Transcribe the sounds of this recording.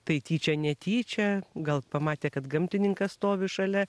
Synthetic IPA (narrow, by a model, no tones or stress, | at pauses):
t̪ɐɪt̪ʲiːt͡ʃʲɛnʲɛt̪ʲiːt͡ʃʲɛɡɐlˠpɐmɑːt̪ʲeːkɐt̪ɡɐmʲt̪ʲɪnʲɪŋkɐsst̪oːʋʲɪʃɐlʲɛ